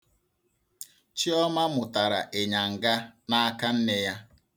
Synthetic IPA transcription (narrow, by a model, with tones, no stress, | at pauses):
t͡ʃi˦ɔ˦ma˦mʊ˨ta˨ɾa˨ʔe˨ɲa˨ŋ̩˨ɡa˦na˦a˦ka˦n̩˦ne˦ja˦